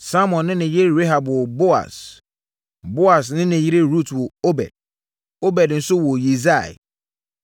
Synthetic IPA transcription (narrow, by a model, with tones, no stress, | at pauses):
sa˦mɔ̃˨nːɪ̃˦nɪ̃˨ji˦ɾɾe˦ɦa˨bwɔ˨bo˦a̰˨s | bo˦a˨s̬nɪ̃˦nɪ̃˨ji˦ɾe˦ɾu˦˨two˨o˦bɛ̰˨d̥̚ | o˦bɛ˨dn̩˨˦sʊ˦wɔ˨ji˨za˦˨ɪ̰˨